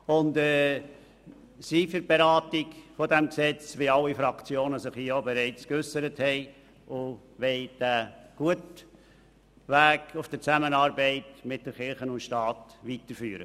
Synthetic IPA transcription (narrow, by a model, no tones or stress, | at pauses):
ʊndɛ | sifəɾb̥eɾɑːtɪɡfɔdɛmksɛt͡sʋɪɑlːifɾɑkt͡sjoːnəsɪχhiːobɛɾɛɪt͡skʏsəɾəthɛɪ | ʊ | ʋɛɪd̥æɡ̥uət | ʋæːɡʊfd̥ət͡sæmənɑːɾbɛɪtmɪt̚d̥əχɪɾχənʊntʃtɑːtʋitəɾfyːɾə